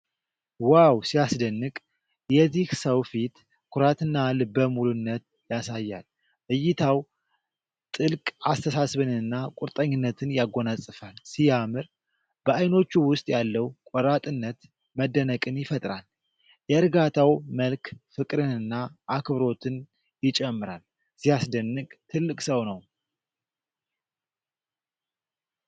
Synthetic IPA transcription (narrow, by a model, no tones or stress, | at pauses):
wawsiasd̪ənːɨkʼ | jɛzihsəwfit̪ | kʰʊɾat̪ɨnːalɨbəmulunːət̪̚ | jasajːa̰l | ʔɨjːɪt̪ʰaw | t̪ʼɨlkʼast̪ʰəsasβɨnɨnːakʼʊɾt̪ʼəɲːɪnːət̪ʰɨnjaɡːo̞nasʼɨfalsijamɨɾ | b̥əajno̞t͡ʃːuwʊst̪ʼjalːəwkʷʼɔɾat̪ʼɨnːət̪ | məd̪ənəkʼɨnjɪfət̪ʼɾal | jɛɨɾɡat̪ʰawməlkfɨkʼɾɨnɨnːaʔːkʰβɾo̞t̪ʰɨn | jɪt͡ʃʼɛmːɨɾal | z̥ijasd̪ənːɨkʼt̪ʰɨlːɨkʼsəwnəw